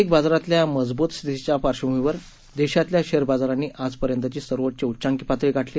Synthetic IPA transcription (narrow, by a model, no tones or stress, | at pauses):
ik̚bad͡zɾat̪ljaməd͡zbuːt̪st̪ʰit̪it͡ɕjapaɾɕəmʋiʋəɾ | d̪eɕat̪ljaɕeɾbad͡zaɾanːiːʔad͡zpəɾjənt̪ət͡ɕiːsəɾʋət̪̚t͡ɕeutːt͡ɕaŋkipat̪ɾiɡʱaʈʰli